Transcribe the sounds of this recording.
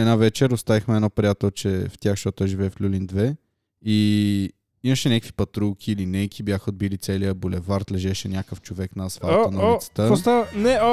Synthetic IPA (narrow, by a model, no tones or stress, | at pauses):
ɛd̪navɛt͡ʃɛɾʊst̪avixmɛd̪nɔpɾʲijat̪ɛlˠt͡ʃɛft̪ʲaxʃt̪ɔt̪oɛʒivɛflʲulind̪vɛ | i | iməʃɛnʲakəkvi̥pɐt̪ɾulˠkʲʰiːlinɛjkʰibjaxəod̪̚bilit̪sɛlijəbolɛvaɾt̪lɛʒɛʃɛnʲakəft͡ʃovɛknɐːzvaənɐist̪əst̪anɛo